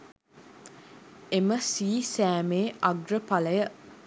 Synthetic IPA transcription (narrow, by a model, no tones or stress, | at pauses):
eməsiːsæːmeːɐɡrəpaləjə